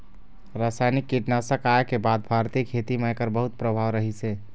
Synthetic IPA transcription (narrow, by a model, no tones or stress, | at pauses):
ɾasajnikːiʈnasəkaekebad̪̚bʱaɾt̪ikʰet̪imeekəɾbəɦut̪̚pɾəbʱaʋɾəɦise